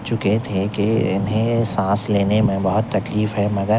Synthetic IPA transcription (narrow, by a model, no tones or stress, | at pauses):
t͡ʃʊket̪ʰekeɪnɦẽsãːsleːnemẽbɐɦʊt̪ːɐkliːfɦɛmɐɡəɾ